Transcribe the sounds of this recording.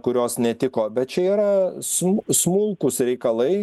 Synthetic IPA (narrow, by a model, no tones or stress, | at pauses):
kʊɾʲoːsnʲɛt̪ʲɪkoːbʲɛt̪̚t͡ʃʲɛiːɾɐsmsmʊlˠkʊsɾʲɛɪkɐlˠɐɪ